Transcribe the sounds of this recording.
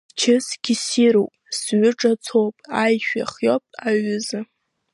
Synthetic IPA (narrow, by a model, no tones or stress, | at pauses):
t͡ʃʰɪsɡʲisiɾowpʼsɥʷʊʈ͡ʂʼat͡sʰowpʼajʃᶣa̰χjopʼaɥʊzɨ